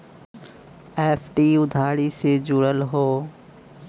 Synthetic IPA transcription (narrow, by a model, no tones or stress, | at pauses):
eːfʰʈiːʊd̪ʱaːɾised͡ʒuːɽəlɦoː